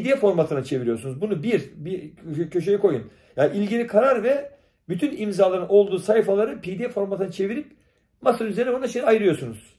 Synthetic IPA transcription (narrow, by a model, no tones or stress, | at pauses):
pd̪ijɛfo̞ɾmat̪ʰɯnat͡ʃʰe̞viɾijosunuzbunubiɾbicʰøʃejɛkʰo̞jun | jaʔilʲɟilʲikʰaɾaɾvɛ | byt̪ʰynimzaːlˠaɾɯno̞lˠd̪uːsajifalˠaɾɯpʰid̪ijɛfo̞ɾmat̪ʰɯnat͡ʃʰe̞viɾip | masɯɾyzeɾnɛbonaʃʰinajɯɾɯjo̞ɾsunuz̥